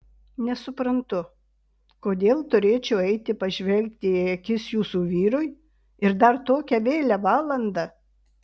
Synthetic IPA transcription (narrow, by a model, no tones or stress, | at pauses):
nʲɛsʊpɾɐnt̪ʊ | koːd̪ʲeːlˠt̪ʊɾʲeːt͡ʃʲɛʊɛɪt̪ʲɪpɐʒʲʋʲɛlʲk̚t̪ʲɪɛkʲɪsjuːsuːʋʲiːɾʊj | ɪɾd̪ɐɾt̪oːkʲɛʋʲeːlʲɛʋɑːlˠɐnd̪ɑ